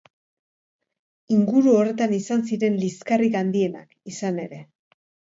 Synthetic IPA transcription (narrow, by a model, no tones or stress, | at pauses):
iŋɡuɾuo̞re̞t̪anisansiɾe̞nliskarikand̪ie̞na̰kisane̞ɾe̞